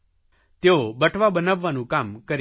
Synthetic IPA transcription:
t̪eobəʈʰʋabənəʋːanũkamkəɾ

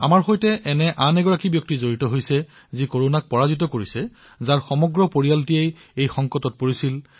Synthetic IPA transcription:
a̰maɹxojtɛʔɛnɛʔanɛɡɔɹakibjɔk̚tizoɹitɔɦojsɛ | zikoɹonak̚pɔɹazit̬ɔkoɹisɛ | zaɹxɔmɔɡɹɔpoɹijaltiejejxɔŋkɔtɔt̚poɹisil

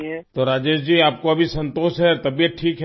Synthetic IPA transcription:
t̪oɾaːd͡ʒeːʃd͡ʒiːaːp̚koɐbʱisɐ̃nt̪oːʃɦɛt̪ɐbijət̪̚ʈʰiːkɦ

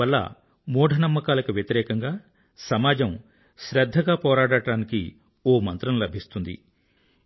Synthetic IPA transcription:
ɐlːɐ̰ | mɔːɖʱɐnɐmːɐkaːlɐkuʋjɐt̪iɾɛːkɐŋɡaː | sɐmaːd͡ʒɐm | ʃɾɐd̪ʱːɐɡaːpɔːɾaːɽaːɽɐɽaːnikḭ | oːmɐnt̪ɾɐmlɐbʱist̪und̪ḭ

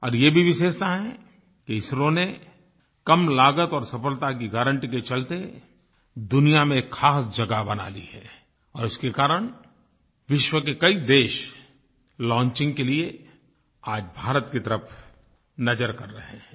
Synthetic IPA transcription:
ɔ̰ːɾjebʱiʋɪʃeːʃt̪aɦɛ | kiɪsɾõne | kɐmlaːɡət̪ɔːɾsɐfəlt̪ak̬iɡaːɾə̃ɳʈiket͡ʃɐlt̪e | d̪ʊnijamẽkxaːsd͡ʒɐɡabɐna̰ːlḭɦɛ̰ː | ɔːɾʊskekaːɾəɽ̃ | ʋɪʃwəkekɐid̪eːʃ | lɔ̃ːɲt͡ʃɪ̃ŋɡ̚kelie | aːd͡ʒbʱaːɾət̪kit̪ɐɾəpʰ | nɐd͡ʒəɾkɐɾːɐɦẽː

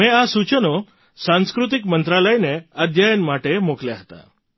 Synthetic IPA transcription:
mẽasut͡ʃəno | sãnskɾut̪̬ikmənt̪ɾaləjneəd̪ʱjajənmaʈemokljaɦət̪a̰

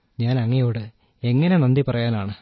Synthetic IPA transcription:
ɲaːnɐŋːɐjoːɽɨ | e̞ŋːɐne̞nɐnd̪ipɐrɐjaːnaːɳɨ

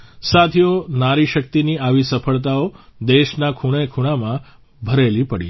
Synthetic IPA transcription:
sat̪ʰijonaɾiʃək̚t̪iniaʋisəfəɭt̪aod̪eʃnakʰuɽ̃ekʰuɽ̃amã | bʱəɾelipəɽḭ

